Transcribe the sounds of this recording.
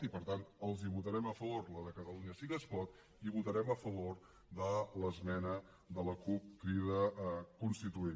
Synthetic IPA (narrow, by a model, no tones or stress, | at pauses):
t̪ipəɾt̪ant̪əlˠziβut̪əɾɛməfəβoɾləðəkət̪əluɲəsiɣəspɔt̪ | iβut̪əɾɛməfəβoɾ | ðələzmɛnə | ðələkup̚kɾiðəkunst̪it̪uen